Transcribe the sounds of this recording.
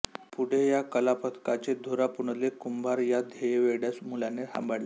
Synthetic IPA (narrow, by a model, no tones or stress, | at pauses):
puɽ̤ʱejakəlapət̪ʰkat͡sed̪ʱoɾapuɳəlekumbʱaɾjad̪ʱejeʋeɽjasmulaneha̰mbʱaɽle